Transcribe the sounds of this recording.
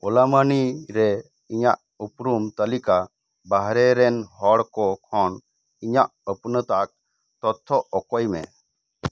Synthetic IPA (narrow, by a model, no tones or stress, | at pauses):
ɔlamaniɾɛ | iɲaʔ | upɾumt̪əlika | baɦɾɛɾɛnɦɔɽkɔkʰɔn | iɲaʔəpnət̪ak̚ | t̪ɔt̪ʰːɔʔɔkɔjmɛ̰